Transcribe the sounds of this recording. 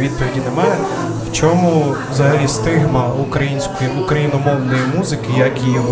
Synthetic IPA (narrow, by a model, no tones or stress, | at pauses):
ʋʲid̪̚pɔʋʲidʲinemɑjɛ | wt͡ʃɔmʊwzɐɦɐlʲist̪ɪɦmɐukɾɐjinʲsʲkɔjiukɾɐjinɔmɔwnɔjimuzɪkɪjɐkiʋ